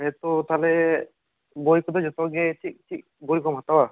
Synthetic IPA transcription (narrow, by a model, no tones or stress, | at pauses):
ɦɛt̪ɔt̪alɛ | bojkɔd̪ɔd͡ʒɔt̪ɔɡɛtʰik̚tʰik̚ɡɔɾikɔmɦat̪awa